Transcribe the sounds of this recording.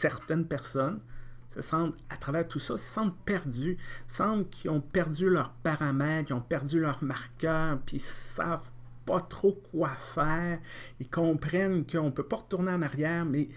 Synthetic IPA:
sɛʁt̪ɛnpɛʁsɔnsə̰sɑ̃t̪at̪ʁavɛːʁt̪ʰusɔsə̥sɑ̃t̪̚pɛʁd̪ysɑ̃blkʲʰiɔ̃pɛʁd̪zylœːʁpaʁamɛt̪kʲiɔ̃pɛʁd̪zylœʁmaʁkʲœːʁpisa̰v̥ | pʌt̪χokʰwafɛːʁilkɔ̃ːpʁɛnkəɔ̃pøpɔʁət̪uʁneɑ̃naʁjɛːʁmɛ

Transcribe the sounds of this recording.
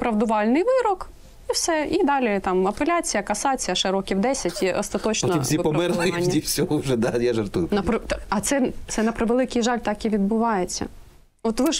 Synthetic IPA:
pɾɐʋd̪ʊʋɑlʲnɪjʋɪɾɔk | iwsɛid̪ɑlʲit̪ɑmɐpelʲat͡sʲijɐkɐsɑt͡sʲijɐʃɪɾɔkʲiwd̪ɛsʲɐtʲiʔɔst̪ɐt̪ɔt͡ʃnɔɔisʲipɔmmɛrlˠɪnːdʲifsʲɔɦɔʒɛd̪ajaʒɐrt̪ujʊnɐpɾɪt̪ɐt̪sɛt̪sɛnɐpɾɪʋelˠɪkɪjʒɑlʲt̪ɑkiʋʲid̪̚bʊʋɑjet͡sʲːɐ̰ | ɔt̪ʋɪʒ

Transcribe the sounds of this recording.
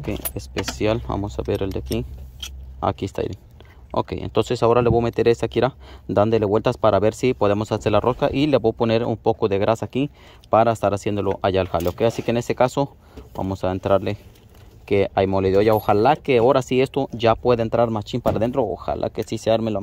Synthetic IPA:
kḛespesjalba̰mosa̰βeɾeld̪eaki | a̰kiest̪a̰ḭɾen | o̰kḛjḛnt̪onsesaoɾaleβomet̪eɾeseakiɾad̪and̪eleβwelt̪aspaɾaβeɾsipoðemosaseɾlarʔoskaʔileboponeɾṵmpokoðeɣɾasaki | paɾaest̪aɾasjend̪oloʔajalxaleokeasikenest̪ekaso | ba̰mosaent̪ɾaɾle | keajmoleðeojaoxalakeaoɾasiest̪oʝapweðent̪ɾaɾmast͡ʃimpaɾaðent̪ɾoo̰xa̰lʔa̰kesiseaɾmel

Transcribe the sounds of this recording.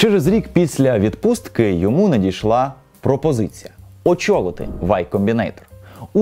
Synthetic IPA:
t͡ʃɛɾezɾʲikpʲisʲlʲɐʋʲid̪pust̪kɪjɔmunɐdʲijʃlˠɑ | pɾɔpɔzɪt͡sʲijɐɔt͡ʃɔɣɔt̪ɪ̰ʋɑjkɔmʲbʲinɛjt̪ɔ̥ru

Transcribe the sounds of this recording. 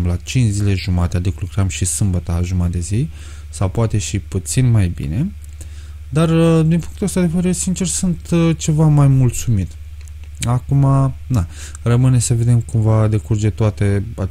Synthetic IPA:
mlat͡ʃint͡ʃzile̞ʒumat̪ead̪iklukɾamʃisɨmbət̪aʒumad̪e̞zi | sawpoat̪e̞ʃiput̪sinmajbḭne̞ | d̪arəd̪inpuŋkt̪uast̪ad̪e̞ve̞ɾeɾesint͡ʃe̞rsunt̪t͡ʃe̞vamajmult̪sumit̪ | akumana | rəmɨnesəve̞d̪e̞mkumvad̪e̞kurd͡ʒe̞t̪oat̪e̞a

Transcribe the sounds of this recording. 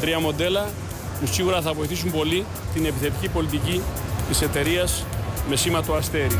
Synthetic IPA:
t̪ɾiɐmo̞d̪e̞lɐ | pusiɣuɾɐθɐvo̞iθis̬umbo̞li | t̪ine̞piθe̞t̪icipo̞lit̪icit̪ise̞t̪e̞ɾiɐs | me̞simɐt̪oɐst̪e̞ɾi

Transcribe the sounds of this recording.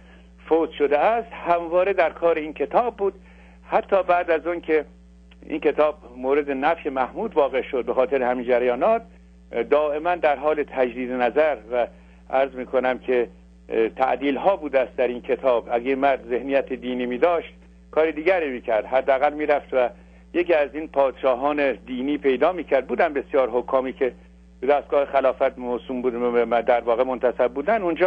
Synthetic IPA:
foːt̪ʃod̪eæst̪hæmvɒːɾed̪æɾkʰɒːɾeiːnkʰe̞t̪ʰɒːbːuːd̪̥ | hæt̪ʰːɒːbæʔd̪æzɔnkʰe | ḭnke̞t̪ʰɒːb̚moːɾed̪enæfjemæhmuːd̪vɒːɣe̞ʃod̪̚bexɒːt̪ʰeɾehæmiːnd͡ʒæɾjɒːnɒːt̪̚ | d̪ɒːʔe̞mænd̪æɾɦɒːlet̪ʰæd͡ʒɾiːd̪enæzæɾvæ | ʔæɾzmiːkʰonæmkʲʰe | t̪ʰæ̰ʔd̪iːlhɒːbuːd̪eæst̪d̪æɾiːnkʰet̪ʰɒːbʔæɡemæɾd̪ze̞hnijæt̪ʰed̪iːniːmiːd̪ɒːʃt̪̚ | kʰɒːɾid̪iːɡɟæɾiːmiːcʰæɾd̪̥ɦæd̪ːeæɣælmiːɾæft̪væ | jekiːæziːnpʰɒːd̪̥ʃɒːɦɒːned̪iːniːpʰe̞jd̪ɒːmiːcʰæɾd̪̚buːd̪æmbe̞sijɒːɾɦokʰːɒːmiːkʰe | b̥ed̪æst̪ɡ̥ɒːhexælɒːfæt̪mosuːmbud̪æɾvɒːɣemont̪ʰæsæbːuːd̪ænund͡ʒɒː

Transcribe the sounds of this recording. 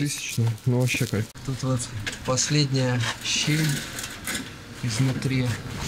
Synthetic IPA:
t̪ɨsʲɪ̥t͡ɕnənuvɐɕːekat̪ut̪vot̪pɐsʲlʲedʲnʲɪjəɕelʲ | ɪznʊt̪ɾʲi

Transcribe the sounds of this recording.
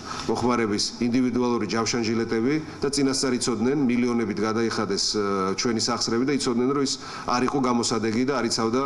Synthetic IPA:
mɔχmaɾɛbisind̪ivid̪ualˠuɾid͡ʒamʃanʒilɛt̪ʼɛbid̪̥at̪sʼinast̪sʼaɾit̪sʰɔd̪nɛnmiliɔnɛbit̪ʰɡad̪aiχad̪ɛst͡ʃʰwɛnisaχsɾɛbid̪ait̪sʰɔd̪nɛnɾɔmis | a̰ɾiqʼɔɡamɔsad̪ɛɡid̪aːɾit̪sʰavd̪a

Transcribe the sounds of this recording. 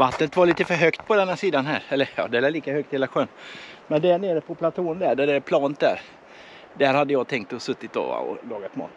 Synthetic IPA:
vat̪nət̪vaɭiːt̪əfœɾɦœkt̪pʰɔd̪ɛnːaʂiːd̪anɦæ̰ɾɛlːəjɑ̰ːd̪ɛɾɛliːkahœk̚t̪heːlaɧøːnmɛnd̪æɳeːɾəpʰɔpʰlat̪ʰoːnd̪æɖæɖɛpʰlɑːnət̪̚d̪æ̰ɾ | d̪æɾhad̪ːəjɑːɡt̪ʰɛŋk̚t̪ɔsɵt̪ːɪt̪̚d̪o̰va̰ɔ̰lɑːɡat̪mɑ̰ːt̪

